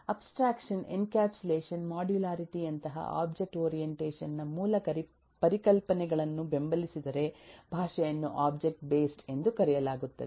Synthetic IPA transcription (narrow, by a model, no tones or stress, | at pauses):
ɐpsʈɾaːkʂɐnḛnkaːpsuleːʃɐnmaːɖjulaːɾiʈiɐnt̪ɐɦɐ̰ʔa̰ːb̚d͡ʒek̚ʈoːɾijeɳʈeːʃɐnːɐmuːlɐkɐɾi | pɐɾikɐlpɐnɛɡɐɭɐnːube̞mbɐlisid̪ɐɾe̞bʱaːʂɐjɐnːuʔaːbd͡ʒek̚ʈ̚beːsʈe̞nd̪ukɐɾɛjɐlaːɡut̪ːɐ̰d̪e